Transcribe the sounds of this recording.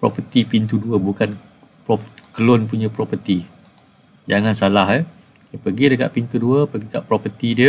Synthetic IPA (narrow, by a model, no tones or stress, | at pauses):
pɾɔpət̪ipint̪uduəbukan | pɔpkəlʊnpuɲãpɾɔpət̪i | d͡ʒaŋansalaɦə | pəɡidəka̰ʔpint̪uduəpəɡikaʔpɾɔpət̪idiə